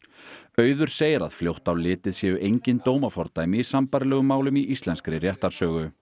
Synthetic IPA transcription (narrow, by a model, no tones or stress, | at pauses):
œːɥðʏɾ̥seːjɪɾa̰ðfljowht̪awlːɪːt̪ɪðsjɛʏʔejɲcɪnt̪oːwmafɔɾt̪aːjmɪisampaɾlɛːɣʏmːaːwlʏmiʔist̪lɛnskɾɪrjɛht̪aɾ̥sœːɣʏ